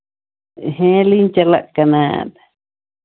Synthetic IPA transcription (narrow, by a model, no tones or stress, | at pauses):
ɦẽlint͡ʃala̰ʔkanã̰t̪ḁ